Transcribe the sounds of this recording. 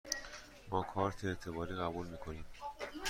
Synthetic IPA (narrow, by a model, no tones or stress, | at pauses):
mɒːkʰɒːɾt̪ʰeeɾt̪ʰe̞bɒːɾiːɣæbuːlmiːkʰo̞niːm